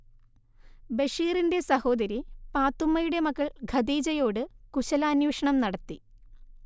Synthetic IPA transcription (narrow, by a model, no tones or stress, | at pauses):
beʂiːrinde̞sɐho̞ːd̪ɐɾipaːt̪ːumːɐjuɽe̞mɐkːɐɭɡʱɐd̪iːd͡ʑɐjo̞ːɽɨkuɕɐlaːnjuːʂɐɳɐmnɐɽɐt̪ːi